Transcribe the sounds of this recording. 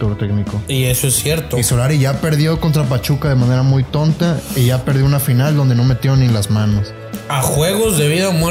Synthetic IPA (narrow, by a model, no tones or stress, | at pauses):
t̪uɾt̪eknikoiesoesːjeɾt̪oisolaɾiʝape̞ɾðjo̞ko̞nt̪ɾap̬at͡ʃukaðe̞mane̞ɾamujt̪o̞nt̪aiʝapeɾðjo̞unafinald̪o̞nd̪e̞no̞me̞t̪jo̞nĩlazmãnos | axweɣozðeβiðaume